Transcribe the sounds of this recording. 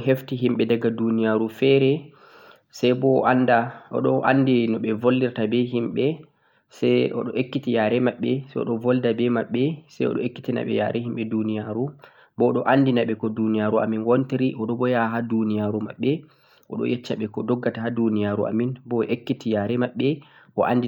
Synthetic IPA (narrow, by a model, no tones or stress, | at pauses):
ɦeftiɦimɓɛdaɡadunijaɾufɛɾɛ | sajbɔandaɔ̰ɗɔʔa̰ndinɔɓɛvoldiɾtabɛɦimɓɛ | sɛʔɔ̰ɗɔʔekːitijaːɾɛmaɓːɛsɛjɔ̰ɗɔvɔldabɛmaɓːɛsɛjɔ̰ɗɔekːitina̰ɓɛ̰ja̰ɾʔɛhimɓɛdunijaɾu | bɔɗɔʔandinaɓɛkɔdunijaɾua̰minwontiɾiʔɔɗɔbɔjaɦadunijaɾuma̰ɓːɛ | ʔɔ̰ɗɔ̰jʔɛt͡ʃːaɓɛkɔdɔɡːatahadunijaɾuʔa̰minbɔʔekːitijaɾɛmaɓːɛ | ʔɔʔa̰ndi